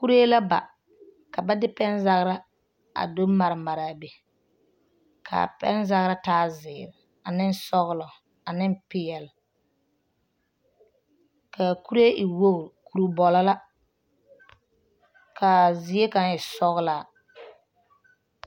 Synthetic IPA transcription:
ku˦ɾe˦la˦ba̰˨ | ka˨ba˦dɪ˦pɛ˦nza˦ɣɾa˦ | a̰˨do˦ma˨ɾɪ˨ma˨ɾa˨be˨ | kʰa̰˨pɛ̰˦nza˦ɣɾa˦taː˦zɪː˨ɾɪ˨ | a˨nɪ˦n˦sɔ˦ɣlɔ˨ | a˨nɪ˦mpɪ˦jɛ˨l | kʰa˨ku˦ɾe˦ʔɪ˨wo˦ɣku˨ɾu˨bɔ˨la˦la˦ | kʰa˨zɪ˨˦e˦ka˨nɪ˨sɔ˦ɣla˨

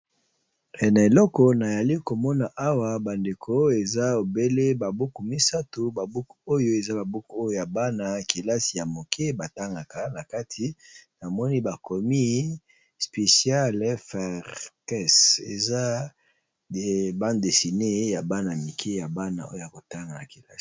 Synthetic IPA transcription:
ɛ˨na˨e˨lɔ˦kɔ˨na˨ja˨li˦ko˨mɔ˦na˨ʔa˦wa˨ba˨nde˨kʰo˦e˨za˦o˨be˦le˦ba˨bu˦ku˨mi˦sa˦to˨ba˨bu˦ku˨o˦jo˦e˨za˦ba˨bu˦ku˨o˦jo˦ja˨ba˦na˨ki˨la˦si˨ja˨mo˨kʰe˦ba˨ta˦ŋɡa˨ka˨na˨ka˦tʰi˨na˨mɔ˦ni˦ba˨kɔ˨mi˦ | spe˨sja˦lɛ˦fɛ˨ʁkɛ˦sḛ˨za˦˨ | ba˦nde˨si˨ne˦ja˨ba˦na˨mi˨kʰe˦ja˨ba˦na̰˨ʔo˦jo˦ja˨ko˨ta˦ŋɡa˨na˨ki˨la˦si̥˨

